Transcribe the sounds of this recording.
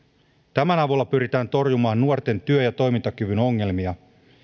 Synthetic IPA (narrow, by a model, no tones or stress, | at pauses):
t̪æmænɑʋulːɑpyɾit̪æːnt̪o̞rjumɑːnːuort̪e̞nt̪yøjɑt̪o̞jmint̪ɑkyʋyno̞ŋːe̞lmiɑ